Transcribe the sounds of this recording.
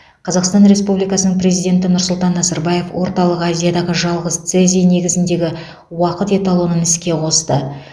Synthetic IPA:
qʰɑzɑqst̪ɑnɾe̞spublijkɑsənəɴpɾʲe̞zijd̪ʲe̞nt̪̬ɪnʊɾsʊlˠt̪ɑnːɑzɑɾbɑje̞fwo̞ɾt̪ɑlˠəqɑzʲijad̪ɑʁəʒɑlˠʁəzt̪sezʲijne̞ɡʲɪzɪnd̪e̞ɡʲɪ | wɑqət̪e̞t̪ɑlˠunənɪskʲe̞qʰo̞st̪ə

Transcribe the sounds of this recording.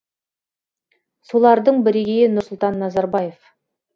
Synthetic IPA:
so̞lˠɑɾd̪əɴbɪɾeɡʲejɪnʊɾsʊlˠt̪ɑnːɑzɑɾbɑje̞f

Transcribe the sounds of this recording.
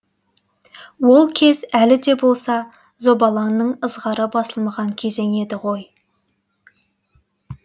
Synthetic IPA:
wo̞lˠkʲʰe̞zælɪd̪e̞bo̞lˠsɑ | zo̞bɑlˠɑnːəɴəzʁɑɾəbɑsəlˠmɑʁɑŋkʲʰe̞ze̞ŋe̞d̪ɪʁo̞j

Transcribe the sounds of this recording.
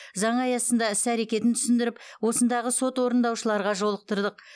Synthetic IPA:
zɑɴɑjɑsənd̪ɑʏsæɾe̞kʲe̞t̪ɪnt̪ʰʏ̥sɪnd̪ɪɾɪpwo̞sənd̪ɑʁəso̞t̪wo̞ɾənd̪ɑwʃəlˠɑɾʁɑʒo̞lˠəq̚t̪əɾd̪əq

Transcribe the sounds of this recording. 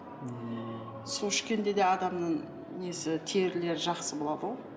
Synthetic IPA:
solˠɪkʲe̞nd̪e̞d̪e̞ɑd̪ɑmnəɴ | nesɪt̪ʰe̞ɪɾle̞ɾɪʒɑqsəbo̞lˠɑd̪əʁo

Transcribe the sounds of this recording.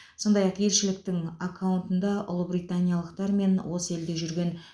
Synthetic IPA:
so̞nd̪ɑjɑqje̞lʃɪlɪk̚t̪ɪŋakʰːawʊnt̪ənd̪ɑʔʊ̰lˠəbɾijt̪anʲijalˠəqt̪ɑɾme̞nwo̞səe̞ld̪e̞ʒʏɾɡʲe̞n

